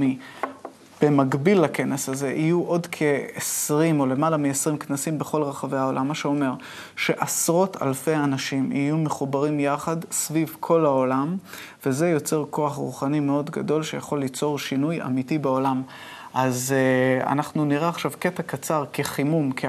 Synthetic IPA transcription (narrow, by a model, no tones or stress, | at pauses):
i | b̥e̞maɡbilːake̞nesaze̞ʔijuʔo̞dkʰe̞esʁimo̞le̞malamiesʁimknasimbeχo̞lʁeχave̞jao̞lamːaʃeo̞me̞ʁ | ʃe̞ʔasʁo̞tʰa̰lfe̞anaʃimḭjumeχubaʁimjaχadsvivkʰo̞lao̞lam | ve̞ze̞jo̞t͡se̞ʁko̞aχʁṵχanime̞o̞dɡado̞lʃejaχo̞lːit͡so̞ʁʃinuja̰mitibeo̞lam | ʔaza̰naχnuniʁeaχʃavke̞takat͡saʁke̞χimumkʰe